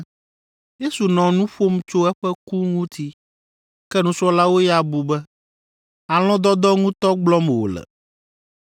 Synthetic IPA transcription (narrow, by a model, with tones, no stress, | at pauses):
je˦su˨nɔ̃˨nũ˦ɸo˦m˦t͡ʃo˦ɛ˦ɸɛ˦ku˦ŋũ˦t̪ʰi˦ | kɛ˦nũ˦sɔ˦la˦wo˦ja˨bu˨bɛ˦ | a˨l̃ɔ̃˦d̪ɔ˦d̪ɔ˦ŋũ˦t̪ɔ˦ɡ͡blɔ˦m˨wo̰˨lɛ̰˨